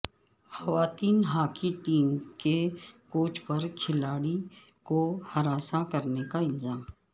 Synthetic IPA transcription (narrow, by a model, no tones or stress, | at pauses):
xɐʋaːt̪iːnɦaːkiʈiːmkekoːt͡ʃpɐɾkʰɪlaːɽikohɐɾaːsakɐɾnekaɪlzaːm